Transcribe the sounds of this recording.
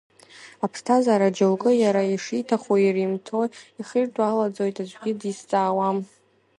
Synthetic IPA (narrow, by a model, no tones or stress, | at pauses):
apʰstʰazaɾad͡ʒalkʼɨjaɾaiʂitʰaχoirimtʰo̞jiχirdwalad͡zo̞jtʼad͡ʒʷɡʲɪdist͡sʼaːwam